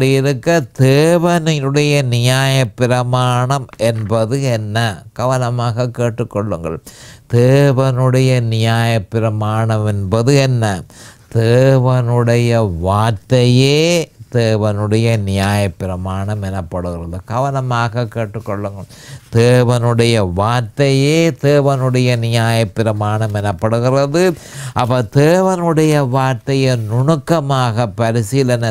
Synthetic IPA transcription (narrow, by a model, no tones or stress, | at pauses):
ɽijɪɾɯkːɐd̪eːʋɐnɪnɯɽɐjɐnɪjaːjɐpːɪɾɐmaːɳɐmɛnbɐðɯɛnːɐkɐʋɐnɐmaːɣɐkːeːʈːɯkːɔɭːɯŋɡɐ̰ɭd̪̥eːʋɐnɯɽɐjɐnɪjaːjɐpːɪɾɐmaːɳɐmɛnbɐðɯɛnːɐt̪eːʋɐnɯɽɐjɐʋaːtːɐjeːd̪̥eːʋɐnɯɽɐjɐnɪjaːjɐpːɪɾɐmaːɳɐmɛnɐpːɐɽɯɣɪrɐðɯkɐʋɐnɐmaːɣɐkːeːʈːɯkːɔɭːɯŋɡɐɭd̪eːʋɐnɯɽɐjɐʋaːʈ̪ːɐjeːd̪eːʋɐnɯɽɐjɐnɪjaːjɐpːɪɾɐmaːɳɐmɛnɐpːɐɽɯɣɪrɐðɯ | ʔɐpːɐd̪eːʋɐnɯɽɐjɐʋaːɾʈ̪ːɐjɐnʊɳɯkːɐmaːɣɐpːɐɾɪsɪlɐnɐ